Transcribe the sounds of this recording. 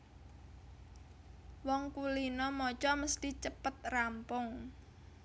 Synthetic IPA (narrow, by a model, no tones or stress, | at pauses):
wɔŋkulinɔmɔt͡ʃɔməst̪it͡ʃəpət̪̚rampʊŋ